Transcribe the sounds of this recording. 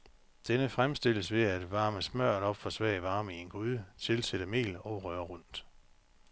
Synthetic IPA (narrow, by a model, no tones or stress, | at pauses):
d̥enəfʁamsd̥e̝l̰əsʋe̝æd̥ʋɑ̈ːməsmɶɐ̰ɾ̥ɒ̽b̥fɒ̽sʋɛ̰ːɪʋɑ̈ːmienɡ̥uðˠt͡sʰe̝lseɾ̥əme̝̰ːlɒ̽ʊʁɶɐʁɔn̰d̥